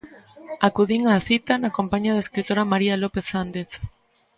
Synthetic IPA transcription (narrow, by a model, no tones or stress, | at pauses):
akuðiŋaθit̪anakompaɲaðaeskɾit̪oɾamaɾialopeθːand̪eθ